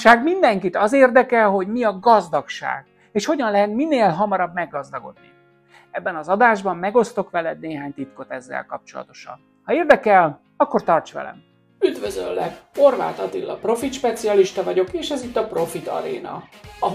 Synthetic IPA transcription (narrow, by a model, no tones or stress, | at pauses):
ʃaːɡmind̪ɛŋkit̪ɒzeːrd̪ɛkɛlɦo̞ɟmiɒɡɒzd̪ɒkʃa̰ːɡ | eːʃho̞ɟɒnlɛɦɛt̪minːeːlɦɒmɒɾɒbmɛɡːɒzd̪ɒɡo̞̰d̪̚ni | ɛbːɛnɒzɒd̪aːʒbɒmːɛɡo̞st̪o̞kʋɛlɛd̪neːɦaːɲt̪it̪ko̞t̪ɛzːɛ̰lkɒp̚t͡ʃo̞lɒ̰t̪o̞̥ʃɒ̰n | hɒeːrd̪ɛkɛl | ɒkːo̞rt̪ɒrt͡ʃʋɛ̰lɛ̰m | yd̪vøzø̰lːɛkho̞rva̰ːt̪ɒt̪ilːɒpro̞fit̪ʃpɛt̪siɒliʃt̪ɒvɒɟo̞keːʃɛzit̪ːɒpro̞fit̪ɒ̰ɾḛːnɒ̰ɒ